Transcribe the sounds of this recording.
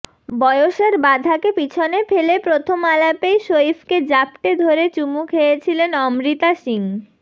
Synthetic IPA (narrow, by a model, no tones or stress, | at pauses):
bɔeoʃeɾbad̪ʱakepit͡ɕʰonefelepɾot̪ʰomalapejʃoifked͡ʑapʈed̪ʱoɾet͡ɕumukɦejet͡ɕʰilenɔmɾit̪aʃiŋ